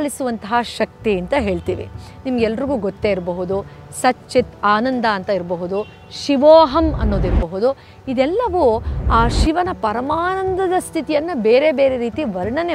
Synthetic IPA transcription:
ɭisuʋɐnt̪ɐɦɐʃɐk̚t̪iɐnt̪ɐɦeːɭt̪iːʋḭnimɐɡɛlːɐɾiɡuːɡɔt̪ːeiɾbɐɦud̪u | sɐt͡ʃːit̪aːnɐnd̪ɐːnt̪ɐiɾbɐɦud̪u | ʃiʋɔːɦɐmɐ̰nːoːd̪iɾbɐɦud̪u | id̪ɛlːɐʋuaːʃiʋɐnɐpɐɾɐmaːnɐnd̪ɐd̪ɐst̪ʰit̪ijɐnːɐbeːɾe̞beːɾe̞ɾiːt̪iʋɐɾɳɐne

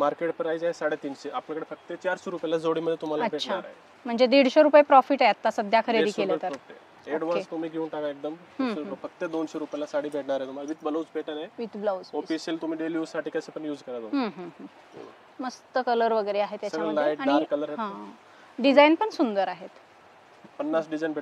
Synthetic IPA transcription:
maɾkeʈ̚pɾajd͡zaɦesaɽet̪iːnɕeʔapljakəɽefək̚t̪et͡ɕaɾɕoɾupjalad͡zoɽiːməd̪ʱːjet̪um̤alaəbʱeːɕʰaaɾaɦe | m̤əɳd͡zed̪iɽ̤ɕoɾupjepɾɔfiːʈaɦet̪ːasəd̪ʱjakʰəɾeiːkelət̪əɾoft̪e | eɽʋəest̪um̤iːɡʱeuɳʈakaek̚d̪əm | ɦfək̚t̪ed̪onɕoɾupjalasaɽiːbʱeʈɳaɾaɦet̪um̤aʋit̪bəlout͡speʈənaeʋit̪blad͡zofisiːlt̪um̤iːɖeljuːzsaʈʰikasepəɳjuːd͡zkəɾad̪oɦãɦə̃ɦə̰̃ | məst̪əkələɾʋəɡəɾeaɦet̪jast͡ɕaɡɭənaaiʈaniaɾkələɾaɦã | ɖid͡zajnpəɳsund̪əɾaɦet̪ | pənːasɖid͡zajinbʱeʈ

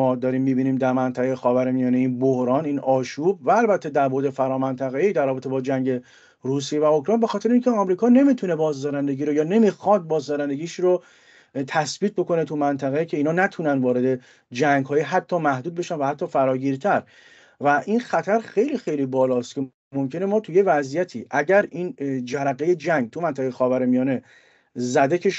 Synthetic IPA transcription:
ɒːd̪ɒɾiːmːiːbiːniːmd̪æɾmænt̪ʰæɣejexɒːvæɾmijɒːneiːnbohɾɒːniːnɒːʃuːb̚væːlbæt̪ʰːed̪æɾbo̞ɾd̪e̞fæɾɒːmænt̪ʰæɣeid̪ærːɒːbet̪ʰe̞bɒːd͡ʒæŋɟe̞ | ruːs̬ijevæokʰɾɒːjnbexɒːt̪ʰe̞ɾeiːncʰeɒmɾiːkʰɒːne̞miːt̪ʰune̞bɒːzd̪ɒːɾænd̪e̞ɟiːɾojɒːne̞mixɒd̪̚bɒːzd̪ɒɾænd̪e̞ɟiːʃɾo | t̪ʰæsbiːt̪̚bo̞kʰo̞net̪ʰumænt̪ʰæɣecʰe̞iːnhɒːnæt̪ʰunænd̪vɒːɾe̞d̪e̞ | d͡ʒæŋɡɦɒːjiɦæt̪ʰːɒːmæhd̪uːd̪̚be̞ʃænvæhæt̪ʰːɒːfæɾɒːɟiːɾt̪ʰæɾ | væʔinxæt̪ʰæɾxejliːxe̞jliːbɒːlɒːst̪cʰe | mo̞mcʰe̞ne̞mɒːt̪ʰuje̞væzijæt̪ʰiːʔæɟæɾiːnd͡ʒæɾæɣeje̞d͡ʒæŋɡ̚t̪ʰumænt̪æɣejexɒːvæɾemijɒːne̞ | zæd̪e̞cʰeʃ

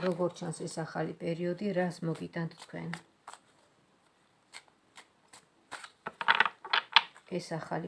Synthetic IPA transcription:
ɾɔɡɔɾt͡ʃʰansɛsaχalipʼɛɾiɔd̪iɾasmɔɡit̪ʼant̪ʰt̪ʰkʰwɛ̰n | ɛsaχa̰li

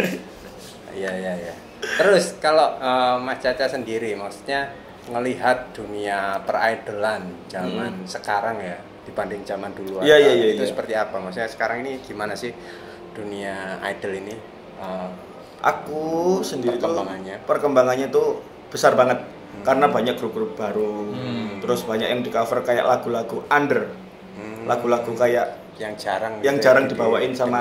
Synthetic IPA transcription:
ijajaja | t̪əɾʊskaloəmat͡ʃat͡ʃasəndiɾimaksu̥t̪̚ɲa | ŋəliɦat̪̚d̥uniapəra̰id̥əland͡ʒamansəkaɾaŋja | d̥ipandɪŋd͡ʒamanduluajaijajait̪usəpərt̪iapamaksut̪ɲasə̥kaɾaŋiniɡ̥imanasɪh | d̥uniaa̰idəlini | ə | ʔa̰kusəndiɾit̪əubaŋanɲapərkəmbaŋanɲat̪u | b̥əsarbaŋət̪̚ | kaɾənabaɲak̚ɡɾuɡɾup̚b̥aɾut̪əɾʊsbaɲa̰k̚jaŋdikafərkaja̰ʔlaɡ̥ulaɡuʔandər̩ | laɡ̥ulaɡukajaʔ | jaŋd͡ʒaɾaŋjaŋd͡ʒaɾaŋdibawaʔɪnsama

